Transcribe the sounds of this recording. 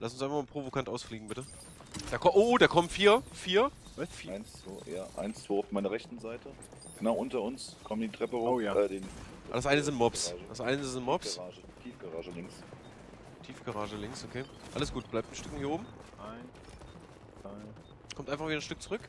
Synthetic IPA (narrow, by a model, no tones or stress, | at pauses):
lʔasʊn̩sɪfaχmaːpʁ̥ovokʰantʔaʊsfliːɡŋ̩bɪtə | d̥aːkʰɔʔoːdaːkʰɔmənfiːɐfiːɐfiːɪnsvo̰ːja̰ːʔa̰ɪnst͡sv̥oːaʊfmaɪnɐʁɛçtn̩zaɪtə | ɡ̥ənaʊʔʊntɐʊnskʰɔmdiːtʁ̥ɛpəhoaːɛːdeːnadasʔaɪnəzɪntmɔpsd̥asʔaɪnəzɪntmɔpsaːʒətʰiːfɡ̥aʁaːʒəlɪŋs | tʰiːfɡ̥aʁaːʒəlɪŋksokʰeːʔa̰ləsɡ̥uːt̚b̥laɪptn̩ʃtʏkŋ̩hiɐoːbm̩ʔaɪn | aɪ | kʰɔmtaɪnfaχvidɐənʃtʏk̚t͡suʁʏk